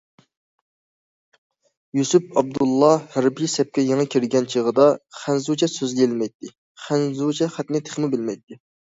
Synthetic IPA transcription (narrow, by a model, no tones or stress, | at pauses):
jusypɑb̚d̪ulˠːɑhæɾbijsɛp̚kʲɛjeŋɨkʲʰiɾɪɡʲɛnt͡ʃʰəʁəd̪ɑχænzut͡ʃʰɛsøzɡʲelmɛjt̪ʰːɪ | χænzut͡ʃʰɛχæt̪nɪt̪ʰe̥χmɪbɪlmɛjt̪ːɪ